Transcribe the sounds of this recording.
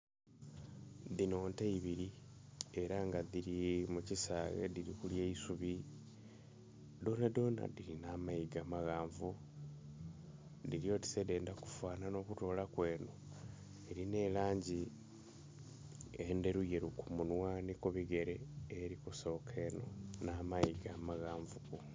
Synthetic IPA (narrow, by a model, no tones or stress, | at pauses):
dino̞ːnteiβiɾie̞ɾaŋɡaðiɾimucisaɣḛdiɾikuljeisuβi | d̪o̞ːnado̞ːna̰diɾinamaiɡamaɣaːɱvu | diɾijo̞tisede̞ːndaku̥fwaːnano̞kuto̞ːlakwe̞ːno̞ | eɾine̞laːɲɟi | ende̞ɾuje̞ɾukumunwanikuβiɡe̞ɾeːɾikuso̞ːkʰe̞no̰namaiɡaːmaɣaːɱvuku